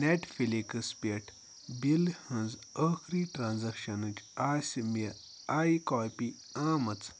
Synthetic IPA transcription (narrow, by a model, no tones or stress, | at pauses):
neʈfilikəspeʈʰ | bilhɐ̃nd͡zəxɾiʈɾãːnzɐkʃɐnɨt͡ʃasʲme | aːjikɔːpi | aːmɐt͡s